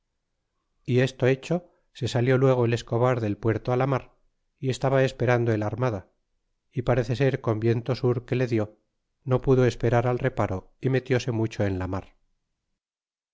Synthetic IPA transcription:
ie̞st̪o̞e̞t͡ʃo̞ | se̞saljo̞lwe̞ɣ̞oele̞sko̞βaɾðe̞lpwe̞ɾt̪oalamaɾ | ie̞st̪aβae̞spe̞ɾand̪oelaɾmaða | ipaɾe̞θe̞seɾko̞mbje̞nt̪o̞suɾke̞le̞ðjo̞ | no̞puðo̞e̞spe̞ɾaɾalre̞paɾo̞ | ime̞t̪jo̞se̞mut͡ʃo̞e̞nlamaɾ

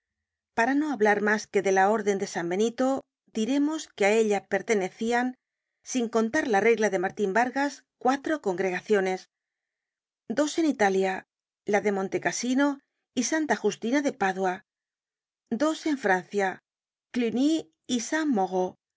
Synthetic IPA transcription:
paɾano̞aβlaɾmaske̞ðe̞lao̞ɾðe̞nd̪e̞sambe̞nit̪o̞ | d̪iɾe̞mo̞skeae̞ʎape̞ɾt̪e̞ne̞θian | siŋko̞nt̪aɾlare̞ɣlaðe̞maɾt̪imbaɾɣaskwat̪ɾo̞ko̞ŋɡɾe̞ɣaθjo̞ne̞s | d̪o̞se̞nit̪alja | laðe̞mõ̞nt̪e̞kasino̞ | isant̪axust̪inaðe̞paðwa | d̪o̞se̞ɱfɾan̟θja | klyni | isamːoɣo

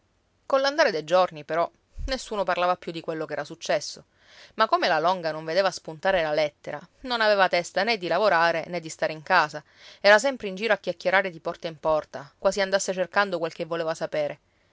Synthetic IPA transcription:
konlːand̪aɾed̪ejd͡ʒornipeɾɔ | nesːuːnoparlaːvapːjud̪ikwelːokeɛːɾasut͡ʃːɛsːo | makːomelalɔŋɡanoɱved̪eːvaspunt̪aːɾelalɛt̪ːeɾanonaveːvat̪ɛst̪aned̪ːilavoɾaːɾened̪ːist̪aːɾeiŋkaːza | ɛːɾas̬ɛmpɾeind͡ʒiːɾoakːjakːjeɾaːɾed̪ipɔrt̪aimpɔrt̪akwaːziand̪asːet͡ʃerkand̪okwelk̟evːoleːvasapeːɾe

